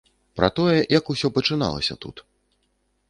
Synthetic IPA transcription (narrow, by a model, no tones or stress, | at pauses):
pɾɐt̪ɔjɛjɐkusʲɔpɐt͡ʂɨna̰lˠɐ̰sʲɐ̰t̪ṵt̪